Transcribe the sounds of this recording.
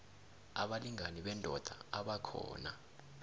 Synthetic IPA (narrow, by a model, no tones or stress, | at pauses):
a̰ɓaliŋaniɓɛndʼʱɔd̥ʱaaɓakʰɔ̰ːna